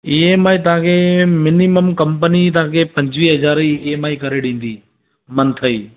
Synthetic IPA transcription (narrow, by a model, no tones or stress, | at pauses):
iːemaːit̪̬ɐɦãkʰemɪniməmkɐ̃mpənit̪̬ɐɦãːkʰepɐ̃ɲd͡ʑʋiːɦɐzaːɾieːmaːikɐɾeɗĩːn̆d̪iː | mɐnt̪ʰɐiː